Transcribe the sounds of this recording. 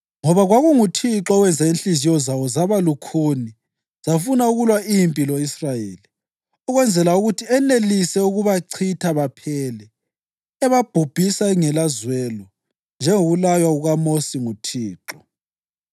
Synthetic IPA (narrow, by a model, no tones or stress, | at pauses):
ŋɔβaɣwaɣuŋutʰiǁɔwɛnd͡zʱainɬizijɔzawɔzaβalukʰuni | z̥afunauɣulwaimpʼiloisrajeːli | ɔɣwɛnd͡zʱɛlauɣutʰiɛnelisɛuɣuβaǀʰitʰaβapʰɛlɛ | ɛβab̥ʱub̥ʱisaŋɛlazwɛlɔ | nd͡ʒʱɛŋoɣulajwauɣamosiŋutʰiːǁɔ